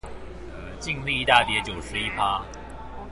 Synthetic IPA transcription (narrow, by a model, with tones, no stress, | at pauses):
t͡ɕi˥˧ŋxwi˥˧i˧˥˧t̪a˥˩t̪jɛ˧˥t͡ɕjo˨˩ʊʂɻ̩˧˦i˦˥pʰa˥˦